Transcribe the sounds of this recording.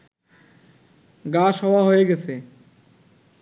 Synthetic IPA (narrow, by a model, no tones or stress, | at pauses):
ɡaːʃɦoːʋaːɦoeːɡeseː